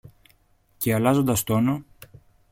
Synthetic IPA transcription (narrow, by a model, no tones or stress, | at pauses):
ce̞ɐlɐzo̞nd̪ɐst̪o̞no